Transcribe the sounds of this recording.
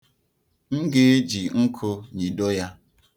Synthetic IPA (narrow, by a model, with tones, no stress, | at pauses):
ŋ̩˦ɡe˦d͡ʒi˨ŋ̩˦kʰo˦ɲi˨do˦ja˦